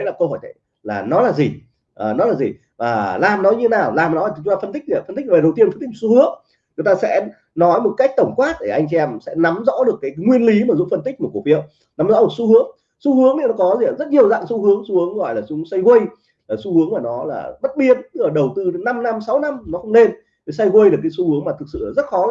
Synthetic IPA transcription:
ə˨˦jlaː˨˩kə˧hɔ˧˩jt͡ɕ̪ə̰˧˨ | laː˨˩nɔ˨˦laː˨˩zi˨˩ | ʔəː˨˩nɔ˨˦laː˨˩zi˨˩ | vaː˨˩laː˨˩mnɔ˨˦ɲɨ˧t̪ʰe˨˦naː˨˩wlaː˨˩m˨nɔ˨˦lːi˨t͡ɕʊ˨˦t̪aː˧ə˧nt̪̬i˦˥k̚ːfə˧nt̪i˦˥k̚e˨˩˨wt̪i˧ənfə˧nt̪i˦˥k̚mə˨˩su˧hɨ˨˦əŋ | t͡ɕʊ˨˦ŋ͡mt̪aː˧sɛ̰˧˥ | nɔ˨˦jmo˨˩t̚ka˦˥k̚t̪ə˧˩wŋ͡mkwaː˦˥t̚ɗe˧˩ʔa˧jŋ̟t͡ɕɛ˧ɛ˧msɛ̰˧˥na˨˦mzɔ̰˧˥ɗɨ˨˩əkːaː˨˦jŋwi˧ənli˨˦maː˨˩zʊ̰˧˨ŋ͡mfə˧nt̪ï˦˥k̚mə˨˩k̚fi˧˨ə˨w | na˨˦mzɔ̰˧˥ɗɨ˨˩k̚su˧hɨ˨˦əŋ | su˧hɨ˨˦əŋni˧˦nɔ˨˦kɔ˨˦zi˨˩a˨˩zə˦˥t̚ɲi˨˩əwza̰ː˧˨ŋsu˧hɨ˨˦əŋsu˧hɨ˨˦əŋɣɔ̰˧˨jlaː˨˩sʊ˨˦sa˧jɣwə˧j | laː˨˩su˧hɨ˨˦əŋmaː˨˩nɔ˨˦la̰ː˨˩ɓə˦˥t̚ɓi˧ənɨ˧˦əː˨˩ɗə˨˩wt̪ɨ˧˨˦na˧mna˧msa˨˦wna˧mnɔ˨˦xə˧wŋ͡mne˧n | te˨˩jsa˧jɣwə˧jlɨ˨˩kːsu˧hɨ˨˦əŋmaː˨˩t̪ʰɨ˨˩k̚sɨ̰˧˨˩zə˦˥t̚xɔ˨˦

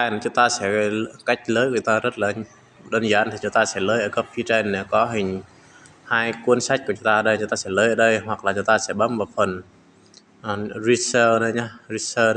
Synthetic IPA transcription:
a˧˨n˨˩t͡ɕʊ˨˦ŋ͡mt̪aː˧sɛ̰˧˥˧ka˦˥jk̟̚ləː˨˦jkːt͡ɕʊ˨˦ŋ͡mt̪aː˧zə˦˥t̚laː˨˦n | ɗo˧nzaː˧nt̪ʰi˨˩t͡ɕʊ˨˦ŋ͡mt̪aː˧sɛ̰˧˥ləː˨˦jʔəː˧˩kə˦˥p̚fi˧t͡ɕe˧nɛ˧˩kɔ˨˦ɦï˨˩ŋ̟ | haː˧jkwu˧ənsa˦˥jk̚ku˧˩t͡ɕʊ˨˦ŋ͡mt̪aː˧ə˧˩ɗə˧jʊ˧˦ŋ͡mt̪aː˧sɛ̰˧˥ləː˨˧˦ʔəː˧˩ɗə˧jɦwa˨˩k̚laː˨˩t͡ɕʊ˨˦ŋ͡mt̪aː˧sɛ̰˧˥ɓə˨˦mvaː˨˩fə˨˩n | ʔzi˧səː˧ɗə˧ɲa˨˧zi˧˥səː˧ɗ

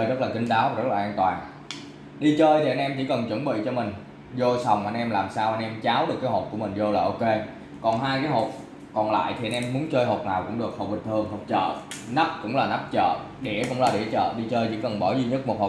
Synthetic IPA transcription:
jzə˦˥laː˨˩kï˧ŋ̟ɗaː˨˦wa˨˩zə˦˥laː˨˩ʔːnt̪waː˨˩n | ɗi˧t͡ɕəː˧jt̪ʰi˨˩ʔa˧nʔɛ˧mt͡ɕi˧˥kə˨˩nt͡ɕwə˧˩nɓḭ˧˨t͡ɕɔ˧mï˨˩ŋ̟ | zo˧jsa˨˩wŋ͡mʔa˧nʔɛ˧mlaː˨˩msaː˧wʔa˧nʔɛ˧mt͡ɕaː˨˦wɗɨ˨˩əkːaː˨˦jɦo˨˩ku˧˩əmï˨˩ŋ̟zo˧laː˨˩ʔo˧ke˧ | kɔ˨˩nɦaː˧jkaː˨˦jɦo˨˩t̚ | kɔ˨˩nla̰ː˧˨jt̪ʰi˨˩a˧nʔɛ˧mmːu˨˦ənt͡ɕəː˧jɦo˨˩t̚naː˨˩wkʊ̰˧˥ŋ͡mɗɨ˨˩ək̚hoə˨˩k͡p̚ɓi˨˩t̚t̪ʰɨ˧˩əŋɦo˨˩k͡p̚t͡ɕə̰ː˧˨na˦˥p̚kʊ̰˧˥ŋ͡mlaː˨˩na˦˥p̚t͡ɕə̰ː˧˨ | ɗḭ˧˩əkʊ̰˧˥ŋ͡mlaː˨˩ɗḭ˧˩ət͡ɕə̰ː˧˨ɗi˧t͡ɕəː˧jt͡ɕḭ˧˩˥kə˨˩nɓɔ˧˩zi˧ɲə˦˥t̚mo˨˩t̚ho˨˩

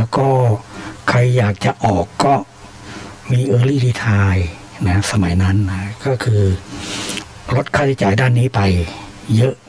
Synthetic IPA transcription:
lɛ˦˥wkɔː˥˩kʰa˧jːaː˨˩k̚t͡ɕa˨˩ʔɔː˨˩kːɔː˥˩ | miː˧ʔɤː˧liː˥˩diː˧˩t̪ʰaː˧j | na˧˦˥sa˧ma˨˩˦jna˦˥nːa˧˥kɔː˥˩kʰɯː˧ | lo˦˥t̪̚kʰaː˥˩t̪ʰi˦˥t͡ɕaː˨˩jdaː˥˩nːiː˦˥pa˧jː | ɤ˦˥ʔ

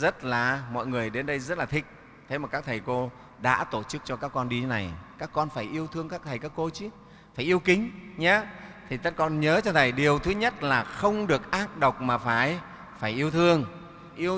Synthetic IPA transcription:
zə˦˥t̚laː˨˩mɔ̰˧˨jŋɨ˨˩əjɗe˨˦nɗə˧jzə˦˥t̚laː˨˩t̪ʰï˨˦˩k̟̚ | t̪ʰe˨˦maː˨˩kaː˦˥k̚t̪ʰə˨˩jko˧ | ɗa̰ː˧˥t̪o˧˩t͡ɕɨ˦˥k̚t͡ɕɔ˧kaː˦˥kːɔ˧nɗi˧t̪ʰe˨˦na˨˩jkaː˦˥kːɔ˧nfaː˧˩jʔi˧əwt̪ʰɨ˧əŋkaː˦˥kt̪ʰə˨˩jkaː˦˥kːo˧t͡ɕi˨˦ | faː˧˩jʔi˧əwkï˨˦ŋ̟ɲaː˨˧˦t̪ʰi˨˩ka˦˥t̚kɔ˧nɲəː˨˦t͡ɕɔ˧t̪ʰə˨˩jɗi˨˩əwt̪ʰɨ˨˦ɲə˦˥t̚laː˨˩xə˧wŋ͡mɗɨ˨˩ək̚ʔaː˦˥k̚ɗə˨˩wk͡p̚maː˨˩faː˧˩j | faː˧˩jʔi˧əwt̪ʰɨ˧əŋ | ʔi˧ə

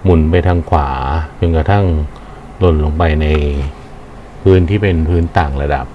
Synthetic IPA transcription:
mu˨˩˦npa˧jt̪ʰaː˧ŋkʰwaː˩˦t͡ɕo˧nka˧t̪ʰa˥˩ŋ | lo˨˩nloː˧ŋpa˧jna˧j | pʰɯː˦˥nt̪ʰiː˥˩pe˧npʰɯː˦˥nt̪aː˨˩ŋɾa˧da̰˨˩p̚

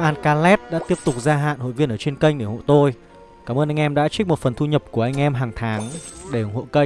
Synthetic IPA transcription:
ʔaː˧nkaː˧lɛ˦˥p̚ɗa̰ː˧˥t̪i˦˥əp̚t̪ʊ˨˩k͡p̚zaː˧ɦa̰ː˧˨nho̰˧˨jvi˧ənʔəː˧˩t͡ɕe˧nkə˧jŋ̟ɗe˧˩ŋo̰˧˨jt̪o˧j | kaː˧˩məː˧nʔa˧jŋ̟ʔɛ˧mɗa̰ː˧˥t͡ɕi˦˥k̚mo˨˩t̚fə˨˩nt̪ʰu˧ɲə˨˩p̚ku˧˩əʔa˧jŋ̟ʔɛ˧mɦaː˨˩ŋt̪ʰaː˨˦ŋɗe˧˩˨hwṵ˧˨nkə˧

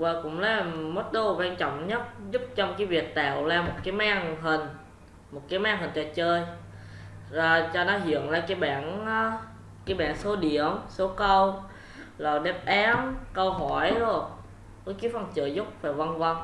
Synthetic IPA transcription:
vaː˨˩kʊ̰˧˥ŋ͡mlaː˨˦˨mo˨˦˥t̚ɗ̪o˨˧kwaː˧nt͡ɕɔ̰˧˨wŋ͡mɲə˦˥t̚zʊ˦˥p̚t͡ɕɔ˧wŋ͡mkaː˨˦vi˨˩ət̚t̪a̰ː˧˨wlaː˧˩mːo˨˩t̚kaː˨˦jmaː˧ŋɦï˨˩ŋ̟ | mo˨˩t̚kaː˨˦jmaː˧ŋɦï˨˩ŋ̟t͡ɕɔ˧˩t͡ɕəː˧j | zaː˨˩t͡ɕɔ˧nɔ˨˦ɦḭ˧˨ənlaː˨˩kaː˨˦jɓa̰ː˧˨na˨˦ | kaː˨˦jɓa̰ː˧˨nso˨˦ɗi˧˨əmso˨˦kə˧w | lɔː˨˩wɗɛ˦˥p̚ʔaː˨˦mkə˧wɦɔ˧˩jzo˧˩j | kɔ˨˦ki˨˦fə˧˩nt͡ɕɨ˧˨zʊ˦˥k͡p̚faː˨˩jva˧nvə˧n

